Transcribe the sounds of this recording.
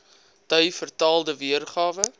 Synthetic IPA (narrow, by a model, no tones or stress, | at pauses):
tœɥfərtɑːlˠdəviərχɑːvə